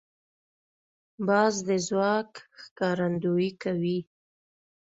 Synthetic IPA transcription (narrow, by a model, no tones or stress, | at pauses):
bɑzd̪əzwɑkxkɑɾand̪ujikawi